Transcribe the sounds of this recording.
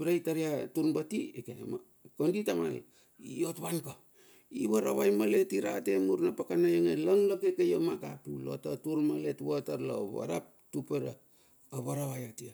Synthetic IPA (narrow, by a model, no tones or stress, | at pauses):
bɾajtaɾiatuɾnbatiekema | konditama̰ | io̞tβanka | iβaɾaβajmale̞tiɾatemuɾnapakanajoŋelaŋlokekejomakapilo̞̰tatuɾmaletwataɾlao̰βa̰ɾa̰p̚tupeɾaː | βaɾaβajatia